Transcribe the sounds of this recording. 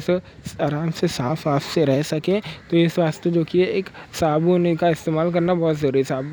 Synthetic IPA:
s | aːɾaːmsesaːfʰaːpʰseɾɛɦsɐkẽt̪oesʋaːst̪ed͡ʒoːkieeːksaːbunikaɪst̪eːmaːlk̬ɐɾnabɔːt̪zoːɾisaːb

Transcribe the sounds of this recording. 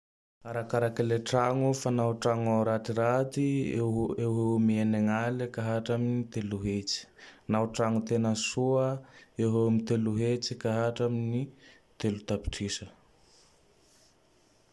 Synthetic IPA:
aɾakaɾakaleʈ͡ʂaŋufanauʈ͡ʂaŋawɾaʈ͡ʂiɾat̪i | ewɦemieneŋalakaɦaʈ͡ʂaminit̪eluɦet͡si̥nauʈ͡ʂaŋut̪enəsuəewɦeumit̪eluɦet͡sikaɦaʈ͡ʂamini | t̪elut̪api̥ʈ͡ʂisə

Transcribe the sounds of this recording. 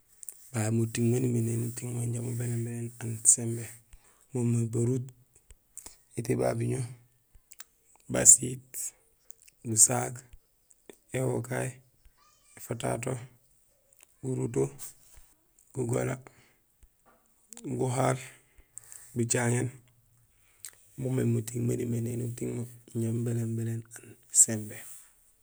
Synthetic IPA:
bamutiŋmaniminenutiŋmaɲɟamobenembeɾenansembe | momabaɾut̚ | itiba̰biɲo | ba̰sit | busak | ewokae | efata̰t̬o | ɡuɾuto | ɡ̥uɡo̰la | ɡuɦal | bit͡ʃaŋen | mumemutiŋmanimenenutiŋmoɲombelembelenansembe

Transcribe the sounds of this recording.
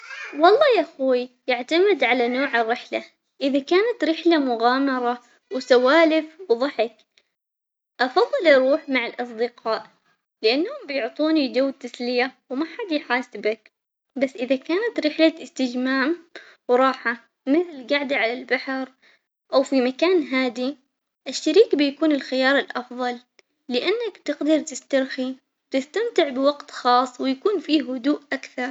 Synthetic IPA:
wɑlˤːɑːjʔaxuːijɪʕt̪amɪd̪ʕalanoːʕɪrːɪħla | ʔɪðakaːnat̪ɾɪħlamʊɣaːmɑɾˤɑ | wsawaːlɪfwðˤɑħɪk | ʔɑfɑðˤːɨlʔɑɾˤuːħmaʕɪlʔɑsˤd̪ɪqɑːʔ | lɪʔanːhʊmbɪjʊʕt̪ˤuːnid͡ʒawt̪aslɪjawmaħad̪jħaːsɪbak | basːʔɪðakaːnat̪ɾɪħlaɪst̪ɪd͡ʒmaːm | wɾˤɑːħa | mɪθlɡaʕd̪iʕalalbaħɾ | ʔawfimakaːnɦaːd̪i | ʔɪʃːaɾiːkbɪjakuːnɪlxɪjɑːɾˤɪlʔɑfðˤɑlː | ɪʔanːakt̪ɪɡd̪ɑɾˤt̪ɪst̪ɑɾxi | wɪt̪ɪst̪amt̪ɪʕbɪwaɡt̪xɑːsˤːwɪjakuːnfiːhʊd̪uːʔʔakθɑɾˤ

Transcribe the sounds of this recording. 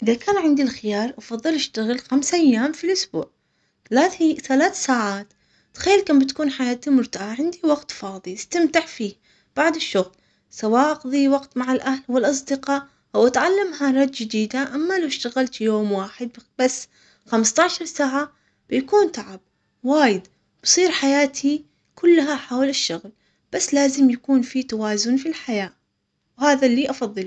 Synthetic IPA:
ʔɪðakaːnʕɪnd̪ilxɪjɑːɾˤʔɑfɑðˤːɨlʔɪʃt̪aɣɪlxamsʔajːaːmfilʔʊsbṵːʕ | aθalaːθsaːʕaːt̪ | t̪ːxajːalkambɪt̪ḁkuːnħajaːt̪amʊɾt̪aʕaʕɪnd̪iwɑɡt̪fɑːðˤiɪst̪amt̪aʕfiː | b̥aʕd̪ɪʃːʊɣl | sawaːʔɑqðˤiwɑqt̪maʕalʔahlwɪlʔɑs̬ˤd̪ɪqɑʔ | ʔawʔat̪ʕalːamhaɾˤɑt̪d͡ʒɪd̪iːd̪aʔamːalawʃt̪aɣalt̪joːmwaːħɪd̪̚b̥asː | xamst̪ˤɑʕʃɑɾˤsaʕa | b̥ɪjakuːnt̪aʕab̚ | waːjɪd̪ | b̥sˤiːɾħajaːt̪ʰi | kʊlːɦaħaːwlʔɪʃːʊɣl | b̥asːlaːzɪmjakuːnfit̪awaːzʊnfilħajaː | whaːðalːiːʔɑfɑðˤːɨl

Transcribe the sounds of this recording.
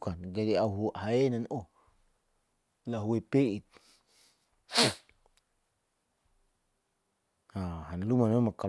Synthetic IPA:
kanɡadiauɦuɦaenano | laɦuwepeʔit̪̚ | hahanlumanemaka

